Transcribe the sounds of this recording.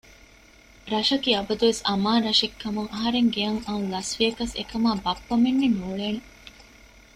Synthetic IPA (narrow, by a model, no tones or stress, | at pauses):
ɾɐʃɐkiɐbɐd̪uʋesɐmaːɾɐʃekːɐmuŋʔɐɦɐɾeŋɡeɐŋɐnlɐsʋiɐkɐsḛkɐmaːbɐpːɐmenːenuːɭeːne